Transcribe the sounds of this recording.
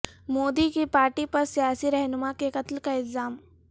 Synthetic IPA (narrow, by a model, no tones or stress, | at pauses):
moːd̪ikipaːɾʈipɐɾsijaːsiɾɛɦnʊmakekɐt̪lkaɪlzaːm